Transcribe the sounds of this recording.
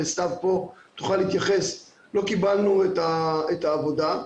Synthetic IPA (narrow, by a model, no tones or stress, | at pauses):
est̪avpo̞t̪uχalit̪jaχes | lo̞kibalnuet̪aet̪aːvo̞d̪a